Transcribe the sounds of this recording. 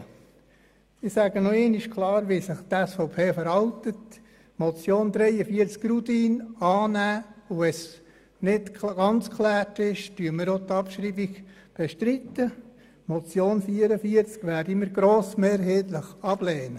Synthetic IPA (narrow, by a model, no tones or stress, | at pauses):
ɪsæːɡənɔeːnɪʃkʰlˠɑːɾʋisɪχt̪ɛsfɔʊpʰeːfəɾhɑltət | mɔt͡sjoːnd̪ɾɛjəfiːəɾt͡skrudiːnɑːnæːuɛs | nɪtɡ̥ɑnt͡skʰlæːtɪʃtyəməɾot̪ɑpʃɾiːbiɡ | b̥ɛʃtɾit̪ːə | mɔt͡sjoːnfiːəɾəfiəɾt͡skʋæːɾdiməɾɡɾoːsmeːɾɦɛːt̪ləχɑb̥lɛːnə